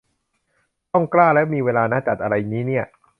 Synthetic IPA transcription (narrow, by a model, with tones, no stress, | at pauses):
t̪ɔ˥˩ŋklaː˥˩lɛː˦˥miː˧weː˧laː˧naː˦˥˩t͡ɕa˨˩t̪̚ʔa˧ɾa˧jniː˦˥ni˥˩ɐ